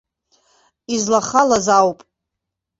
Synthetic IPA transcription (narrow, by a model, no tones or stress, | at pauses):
izlaχalazawpʼ